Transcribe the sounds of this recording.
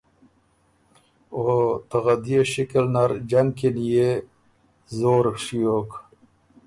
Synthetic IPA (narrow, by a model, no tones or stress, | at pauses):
ot̪ɐɣɐd̪ijeɕikelnaɾd͡ʑɐŋɡkinje | zoːɾkʂijoːk